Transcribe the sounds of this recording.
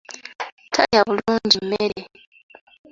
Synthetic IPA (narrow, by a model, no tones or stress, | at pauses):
tʰajaβuluːɲɟimːeɾe